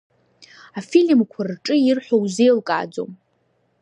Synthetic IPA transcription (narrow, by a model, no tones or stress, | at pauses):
afilʲmkʷʰarʈ͡ʂʼɨirħʷᶣowzejlkʼa̰ːd͡zo̰m